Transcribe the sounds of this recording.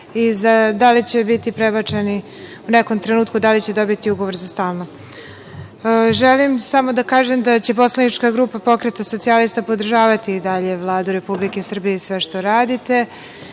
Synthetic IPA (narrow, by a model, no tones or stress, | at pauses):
izad̪alit͡ɕe̞bit̪ipɾebat͡ʂe̞ni | uneko̞mt̪ɾe̞nuːt̪kud̪alit͡ɕe̞d̪o̞bit̪iuɡoʋo̞ɾzast̪aːlˠno | ʒelimsamo̞d̪akaːʒemd̪at͡ɕe̞po̞slˠanit͡ʂkaɡɾuːpapo̞kɾet̪aso̞t̪sialist̪apo̞d̪r̩ʒaːʋat̪iːd̪aʎe̞ʋlˠaːd̪uɾe̞publike̞sr̩bijesʋe̞ʃt̪o̞ɾaːd̪it̪e̞